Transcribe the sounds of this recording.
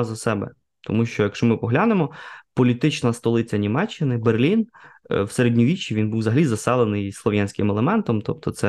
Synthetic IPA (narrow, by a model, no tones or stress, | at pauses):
zɐsɛbɛ̰ | t̪ɔmuʃt͡ʃɔjɐkʃt͡ʃɔmɪpɔɦlʲanemɔpɔlʲit̪ɪt͡ʃnɐst̪ɔlˠɪt͡sʲɐnʲimɛt͡ʃːɪnɪberlʲinwseɾedʲnʲiʋʲit͡ʃːiʋʲinbuwzɐɦɐlʲizɐsɛlˠenɪjslˠɔʋʲjanʲsʲkɪmɛlˠemɛnt̪ɔmt̪ɔp̚t̪ɔt̪sɛ